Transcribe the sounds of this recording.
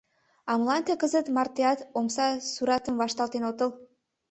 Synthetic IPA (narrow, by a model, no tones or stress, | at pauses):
ɑmlɑnt̪ekəzət̪mɑrt̪eɑt̪omsɑsuɾɑt̪əmvɑʃt̪ɑlt̪enot̪əl